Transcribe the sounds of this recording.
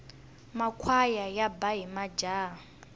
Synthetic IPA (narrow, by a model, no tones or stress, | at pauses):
makʰwajajabaɦimad͡ʒa